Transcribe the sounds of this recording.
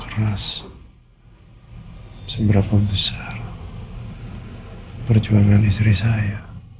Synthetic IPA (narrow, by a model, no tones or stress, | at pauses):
kəɾas | səbəɾapabəsar | pərd͡ʒuaŋanist̪ɾisaja